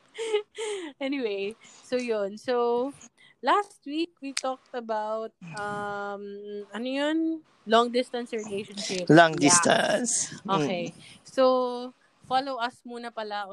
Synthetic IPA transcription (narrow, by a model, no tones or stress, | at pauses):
ʔɛnɪwejsojonsow | last̪̚wik̚wit̪ɔk̚t̪ɐbawt̪̚ʔɐmɐnojon | lɔŋd̪ɪst̪ɐnsɹɪlejʃonʃɪplɔŋd̪ɪst̪a̰nsʔoːkɛjsow | falowʔɐsmuːnɐpɐlaʔ